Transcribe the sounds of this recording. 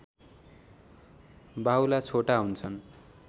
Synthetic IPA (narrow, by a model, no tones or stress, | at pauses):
bawlat͡sʰoʈaɦunt͡sʰʌn